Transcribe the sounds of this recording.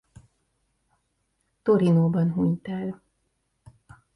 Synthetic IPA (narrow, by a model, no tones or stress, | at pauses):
t̪o̞ɾinoːbɒnɦuɲt̪ɛl